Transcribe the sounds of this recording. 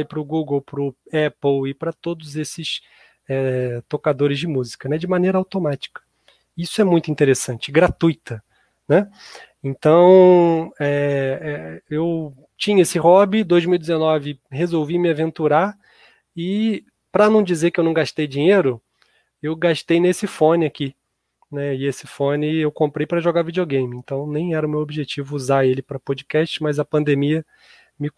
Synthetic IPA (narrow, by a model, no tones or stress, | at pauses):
jpɾʊɡuɡowpɾʊɛpowɪpɾɐt̪od̪ʊzesɪs | ɛt̪okad̪oɾɪzd͡ʒɪmuzikɐnɛd͡ʒɪmanejɾɐawt̪omat͡ʃi̥kɐ̥ | isʊɛmũj̃t̪ʊĩnt̪eɾesɐ̃nt͡ʃɪɡɾat̪ujt̪ɐ | nɛ | ẽnt̪ɐ̃w̃ɛɛew | t͡ʃĩɲɐesɪɦɔbid̪ojzmiwid͡ʒɪzenɔvɪhezowvimɪavẽnt̪uɾa | ɪ | pɾɐnɐ̃w̃d͡ʒizekɪewnɐ̃w̃ɡaʃt̪ejd͡ʒĩɲeɾʊ | ewɡaʃt̪ejnesɪfõnɪaki | nɛɪesɪfõnɪewkõmpɾejpɾɐʒoɡavid͡ʒioɡẽj̃mɪẽnt̪ɐ̃w̃nẽj̃ɛɾɐʊmewobiʒet͡ʃivʊuzaelɪpɾɐpod͡ʒikɛʃt͡ʃɪmɐjzɐpɐ̃nd̪emiɐ | mɪ